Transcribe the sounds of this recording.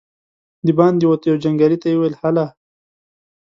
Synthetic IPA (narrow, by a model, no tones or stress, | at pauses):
d̪ibɑnd̪iwot̪jawd͡ʒaŋɡɑlit̪ajwelhala